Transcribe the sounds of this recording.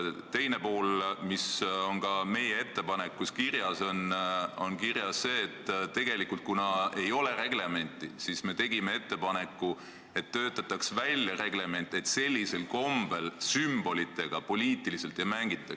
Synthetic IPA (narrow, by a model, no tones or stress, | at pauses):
t̪e̞jne̞po̞ːlmiso̞nkɑme̞jee̞t̪ːe̞pɑne̞kːuskirjɑso̞nonkiɾjɑsːe̞ːt̪ːt̪e̞ɡ̥e̞likult̪̚kunɑe̞jo̞le̞ɾe̞ɡ̥le̞me̞nʲt̪ːˑisisme̞t̪e̞ɡimee̞t̪ːe̞pɑne̞kːˑu | e̞t̪ːøːt̪ːˑɑt̪ːˑɑksvælʲjɑre̞ɡ̥le̞me̞nt̪ːˑe̞t̪se̞lʲːise̞lko̞mb̥elsymb̥o̞lit̪ːˑe̞ɡ̥ɑpo̞lʲiːt̪ːˑilise̞lt̪jɑmæŋɡ̥it̪ːˑɑks